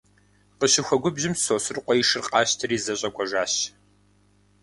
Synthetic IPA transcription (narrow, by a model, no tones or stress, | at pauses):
qəɕɪxʷɔɡʷʊbʑɪmsoːsɨrqʷɔjiʂɨrqʼɑːɕtʰɨriːzɐɕʼɐɡʷʼɔʒaːɕ